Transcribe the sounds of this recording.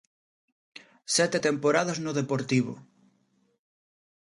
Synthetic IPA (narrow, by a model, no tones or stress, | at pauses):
sɛt̪et̪empoɾaðaznoðepoɾt̪iβ̞o̰